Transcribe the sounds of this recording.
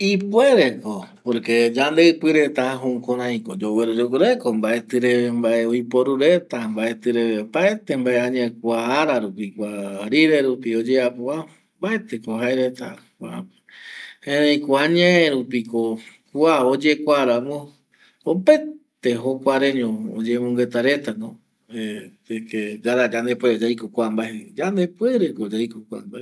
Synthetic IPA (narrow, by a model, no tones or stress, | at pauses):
ipweɾekopoɾked͡ʒand̪eɨpɨɾet̪aaɦõkoɾãj̃kod͡ʒoweɾoɾokuɾekombaet̪ɨɾembaʔeoipoɾuɾet̪ambaet̪ɨɾeβembaet̪embaeãɲẽkʷaːɾaɾupikʷaɾiɾeɾupiod͡ʒeapoa | mbaet̪ekoɦaeɾet̪a̰kʷḁ | hẽɾẽĩkoaɲãeɾupiko | kʷuaod͡ʒekʷaɾamõ | opet̪eɦokʷaɾẽɲõod͡ʒemõŋɡet̪aɾet̪anõ | e | eked͡ʒaɾad͡ʒand̪epweɾod͡ʒajkokʷambaed͡ʒand̪epweɾekod͡ʒajkokʷa̰mbae